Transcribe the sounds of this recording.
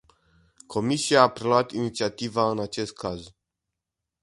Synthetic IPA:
kʰo̞misiaːpɾeloat̪init̪siat̪ivaɨnat͡ʃe̞st̪̚kaz

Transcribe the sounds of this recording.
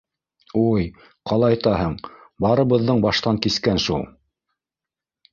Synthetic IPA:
uj | qɑlˠɑjt̪ɑɦɤɴbɑɾɤ̆βɤ̆ðːɤɴbɑʃt̪ɑŋkiskænʃulˠ

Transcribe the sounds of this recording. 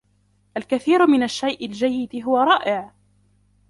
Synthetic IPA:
ʔalkaθiːɾmɪnaʃːajʔɪld͡ʒajːɪd̪ɦʊwaɾˤɑːʔɪʕ

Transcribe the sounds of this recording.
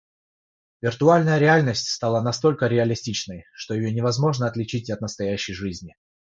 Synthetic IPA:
vʲɪrt̪ʊalʲnəjəɾʲɪalʲnəsʲtʲst̪alˠanɐst̪o̞lʲkəɾʲɪɐlʲɪsʲtʲit͡ɕnəjʂt̪o̞jɪjonʲɪvɐzmo̞ʐnəɐt̪lʲɪt͡ɕitʲɐt̪nəst̪ɐjæɕːɪjʐɨzʲnʲɪ

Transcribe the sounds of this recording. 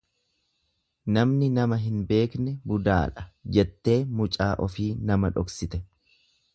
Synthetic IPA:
nɐmnɪnɐmɐɦɪnbe̞ːknɛbʊd̪a̰ːᶑɐ̥d͡ʒɛt̪ːe̞ːmʊt͡ʃʼaːʔɔfiːnɐmɐᶑɔksɪt̪ɛ

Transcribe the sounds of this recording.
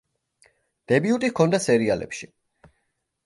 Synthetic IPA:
d̪̥ɛbiut̪ʼikʰɔnd̪asɛɾialɛ̰pʃi

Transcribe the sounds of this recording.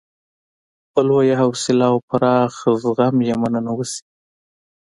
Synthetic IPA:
bəlwajaɦawsɪlawpaɾɑxzɣamjamananawəsi̥

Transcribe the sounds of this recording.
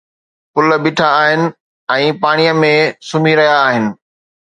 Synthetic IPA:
pʊlə̆bɪʈʰaːɦɪnɪ̆ | ɛ̃ːpaːɽ̃ijəmẽsʊmiɾɐɦjaːɦɪnɪ̆

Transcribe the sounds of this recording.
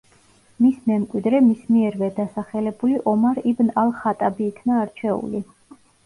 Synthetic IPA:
mismɛmkʼwid̪ɾɛmismiɛɾvɛd̪asaχɛlɛbuliʔɔmaɾibnalˠχat̪ʼabiːkʰnaːɾt͡ʃʰɛṵli

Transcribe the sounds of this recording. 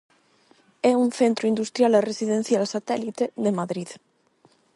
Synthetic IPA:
ɛunθent̪ɾuind̪ust̪ɾjaleresiðen̟θjalsat̪ɛlit̪eðemaðɾið

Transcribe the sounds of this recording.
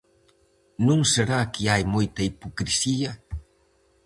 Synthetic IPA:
nuŋseɾakiajmojt̪ɐipokɾisia

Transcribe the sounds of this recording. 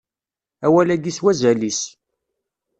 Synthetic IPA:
æwælæɡiswæzælis

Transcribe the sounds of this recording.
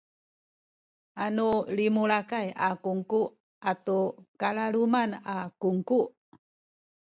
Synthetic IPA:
ʔanulimuɭakajakuŋkuʔ | atukalalumanakuŋkuʔ

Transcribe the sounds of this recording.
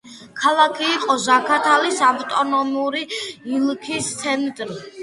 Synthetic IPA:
kʰalˠakʰiːqʼɔzakʰat̪ʰalisavt̪ʼɔnɔmuɾiːlkʰist̪sʰɛmt̪ʼɾi

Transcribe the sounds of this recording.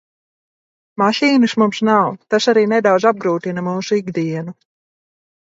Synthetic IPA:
maʃiːnɨsmumsnawt̪asaɾiːnɛd̪awd̪zab̚ɡɾuːt̪inamuːsuiɡd̪iɛnu

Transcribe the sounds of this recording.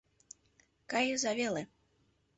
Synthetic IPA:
kajizavʲɛlˠɨ

